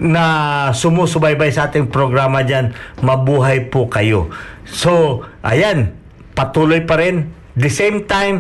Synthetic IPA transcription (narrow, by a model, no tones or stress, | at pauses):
nɐsʊmusʊbajbajsɐʔaːt̪ɪŋpɾoɡɾaːmɐd͡ʒanmɐbuːɦajpʊkɐjosoʔɐ̰jan | pɐt̪uːlojpɐɾɪn | d̪ɛsejmt̪ajm